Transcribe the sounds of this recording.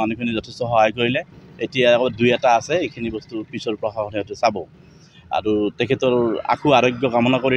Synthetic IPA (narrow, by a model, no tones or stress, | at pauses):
anukʰinizɔtʰɛstɔxɔɦajkoɹilɛetijakɔdujataːsɛejkʰinibɔstupisɔɹpɹɔxʰaxɔniɔtʊsabɔ | a̰ɹutɛkʰɛtɔɹa̰kuaɹɔɡjɔkamɔnakoɹi